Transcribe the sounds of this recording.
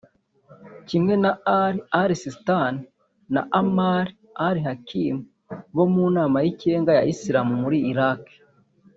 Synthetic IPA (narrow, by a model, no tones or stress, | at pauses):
cimŋe̞naɾiaɾisistani | na̰ʔamaɾi | aɾihakimu | βo̞muːnaːmajiceːŋɡaja̰ʔisiɾamumuɾiːɾake̥